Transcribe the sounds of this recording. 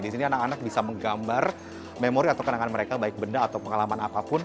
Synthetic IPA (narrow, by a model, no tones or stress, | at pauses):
disinianakanak̚bisaməŋɡambar | memoɾiat̪awkənaŋanməɾekabaɪk̚bəndaːt̪awpəŋalamanapapʊn